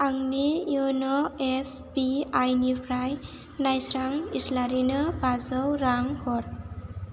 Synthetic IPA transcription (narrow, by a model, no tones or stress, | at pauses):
aŋnijunɔesbiajnipʰɾaj | najsɾaŋislaɾinɯbazəwɾaŋhɔɾ